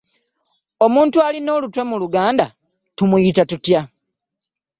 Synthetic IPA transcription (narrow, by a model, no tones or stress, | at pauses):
o̞muːntualino̞ːlutwe̞muluɡaːnda | tumujitatutja